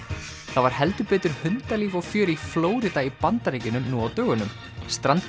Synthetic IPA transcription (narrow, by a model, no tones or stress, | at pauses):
θavaɾ̥hɛlt̪ʏpɛːt̪ʏɾ̥hʏnt̪aliːvawfjœːɾifloːwɾɪt̪aipant̪aɾejcɪnʏmnuawt̪œːɣʏnʏm | st̪ɾant̪